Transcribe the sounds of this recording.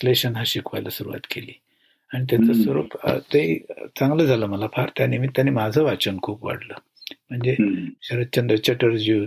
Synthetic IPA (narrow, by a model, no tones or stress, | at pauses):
sleɕənɦaɕikʰʋa̰jlasuɾuʋa̰t̪keliː | aɽ̃it̪̬jat͡səsʋəɾṵːpə̰t̪eit͡sãŋɡləd͡zʱaləːməlapʰaɾt̪janimit̪ːjanimad͡zʱəːʋat͡ɕənkʰuːpʋa̰ɽləː | m̤əɳd͡zeɕəɾəd̪̚t͡ɕənd̪ɾət͡ɕəʈəɾd͡ʑi